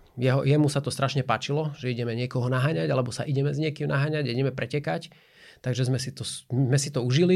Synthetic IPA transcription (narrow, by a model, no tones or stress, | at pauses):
jɛɦɔ̰jɛmusat̪ɔst̪ɾaʃɲɛpaːt͡ʃilɔʒɛiɟɛmɛɲɪɛkɔɦɔnaɦaːɲaɟalɛbɔsa̰ʔiɟɛmɛzɲɪɛkimnaɦaːɲaɟiɟɛmɛpɾɛcɛkac | t̪aɡʒɛzmɛsit̪ɔmɛsit̪ɔuʒili